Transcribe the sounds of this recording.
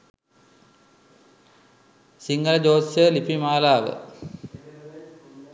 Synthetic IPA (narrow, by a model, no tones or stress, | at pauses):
siŋɡəlɐd͡ʒoːsjəlipimaːlaːʋə̰